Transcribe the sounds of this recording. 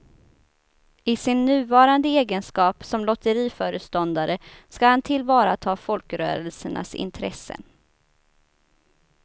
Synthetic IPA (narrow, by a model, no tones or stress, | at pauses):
ɪsɪnːʉ̟ːvɑːɾand̪əeːɡənskɑːpsɔmlɔt̪əɾiːfœːɾəst̪ɔnd̪aɾəskahant̪ʰɪlvɑːɾa̰t̪ʰɑːfɔlkɾœ̰ːɾəlsəɳa̰sɪ̰nt̪ʰɾɛsə̰n